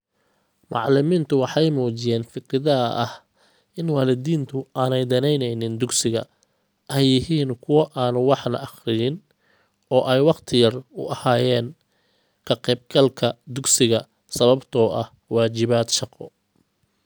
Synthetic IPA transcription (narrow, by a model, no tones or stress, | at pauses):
mɑ̰ʕlɪmiːnt̪ʰʊwɑħɑjmuːt͡ʃɪjɛːnfɪkɾɪðɐʔɐh | ʔɪnwaːlɪd̪iːnt̪ʰʊaːnɛjd̪ɐnɛjnɛjnɪnd̪ʊɡsɪɣɐ̰ | ʔɛjːɪɦiːnkʰʊwɐʔaːnʊwɑħnɐ̰ʔɑχɾɪnɪn | ɔːʔɛjwɑqt̪ʰɪjɐrʊ̰ɐhaːjɛːn | kʰɐqɛːb̚ɡɐlkʰɐd̪ʊɡsɪɣɐ | sɐβɐbt̪ʰɔːʔɐh | wɑːt͡ʃɪβaːd̪ʃɑqɔ̰